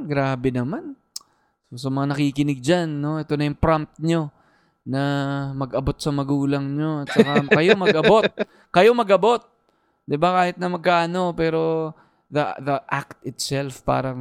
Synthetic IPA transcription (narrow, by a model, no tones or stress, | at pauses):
ɡɾaːbɛnɐman | sosɐmɐŋanɐkikɪnɪɡ̚d͡ʒanːo̞ɛt̪o̞nɐjʊŋpɾamt̪̚ɲo̞ | nɐmɐɡʔɐbo̞t̪̚sɐmɐɡuːlɐŋɲo̞ɐt̪̚t͡ʃɐkɐkɐjo̞mɐɡʔɐbo̞t̪̚ | kɐjo̞mɐɡɐbo̞t̪̚ | d̪ɪbakaːhɪt̪̚nɐmɐɡ̚kaːʔɐno̞pɛːɾo̞ | ðɐðɐʔak̚t̪ɪt̪sɛlfpa̰ːɾɐŋ